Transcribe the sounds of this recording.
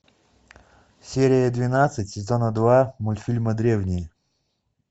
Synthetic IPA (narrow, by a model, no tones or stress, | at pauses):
sʲeɾʲɪjəd̪vʲɪnat̪sɨtʲsʲɪzonəd̪vamʊlʲfʲilʲməd̪ɾʲe̞vnʲɪjə